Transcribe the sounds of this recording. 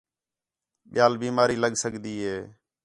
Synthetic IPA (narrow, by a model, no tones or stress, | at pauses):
ɓɪjaːlbiːmaːɾiːləɠsəkd̪iːɦeː